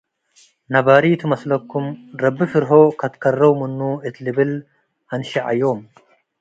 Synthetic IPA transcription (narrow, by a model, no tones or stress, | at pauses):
nɐβaɾit̪ʰɨmɐslɐkːumɾɐbːɨfɨɾɦokʰɐt̪kʰɐrːɐwmɨnːuɨt̪ʰlɨβɨl | ʔanʃiʕa̰jːo̞m